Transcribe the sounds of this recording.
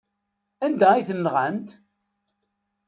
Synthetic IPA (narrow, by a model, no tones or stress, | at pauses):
ænd̪æiθənːʁənt̪